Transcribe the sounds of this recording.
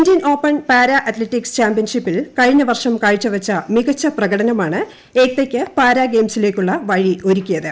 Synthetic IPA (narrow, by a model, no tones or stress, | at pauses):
ndijɐno̞ːpːɐɳpaːɾɐʔɐt̪leʈːikst͡ɕaːmpijɐnʂipːilkɐɻiɲːɐʋɐrʂɐmkaːɻit͡ɕːɨʋɐt͡ɕːɐmiɣɐt͡ɕːɐprɐɣɐɽɐnɐmaːɳɨ | e̞ːk̚t̪ekʲːɨpaːɾɐɡe̞ːmsile̞ːkʲːuɭːɐʋɐɻiʔo̞ɾukʲːujɐðɨ